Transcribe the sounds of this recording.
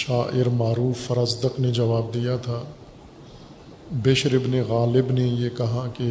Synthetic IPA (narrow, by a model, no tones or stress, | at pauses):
ʃaːʔɪɾmaːɾuːfːɐɾəzd̪əqned͡ʒɐʋaːb̚d̪ijat̪ʰaː | beːʃɾɪbneɣaːlɪbnejekɐɦake